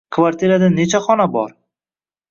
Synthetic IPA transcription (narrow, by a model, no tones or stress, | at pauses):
kʰvaɾt̪ʰiɾad̪anːet͡ʃʰaχɒnabɒ̰ɾ